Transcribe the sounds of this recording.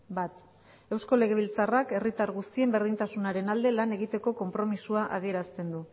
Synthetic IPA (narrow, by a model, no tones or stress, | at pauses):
bat̪ | e̞wsko̞le̞ɣ̞e̞β̞ilt͡sarake̞rit̪aɾɣust̪ie̞mbe̞ɾð̞int̪asunaɾe̞nald̪e̞lane̞ɣit̪e̞ko̞ko̞mpɾo̞misuaʔa̰ð̞ie̞ɾast̪e̞nd̪u